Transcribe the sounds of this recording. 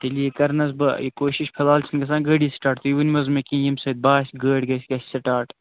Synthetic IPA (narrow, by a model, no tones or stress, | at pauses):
t̪ɐliekɐɾnɐs̬bɐjkoːʃiʃpʰɐlaːlt͡ʃʰinɡɐs̬ãːɡəɽisʈaːʈt̪ujiʋunʲmɐzmekĩːjimsɐd̪̚baːsɡəːɽɡɐsʲɡɐssɐʈaːʈ